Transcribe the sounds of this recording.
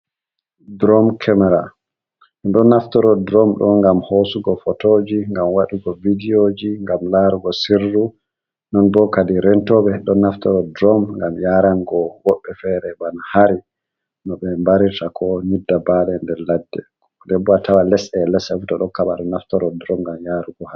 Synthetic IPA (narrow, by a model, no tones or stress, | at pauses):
dɾɔmkʰɛmɛɾa | ninɗɔnːaftɔɾɔdɾɔmɗɔnɡamhosuɡɔfɔtod͡ʒiŋɡamwaɗiɡɔvidiod͡ʒiŋɡamlaɾuɡɔsiɾːu | nɔnbɔkadiɾɛntɔbɛɗɔnːaftɔɾɔdɾɔmŋɡamjaɾanɡɔwɔɓːɛfɛɾɛbanahaɾi | nɔɓɛmbaɾitakʰɔɲudːabalɛndɛɾladːɛ̰ | dɛbuatawalɛsɛlɛsɛfutɔɗɔŋkaɓaɗɔnaftɔɾɔdɾɔmɡamjaɾuɡɔha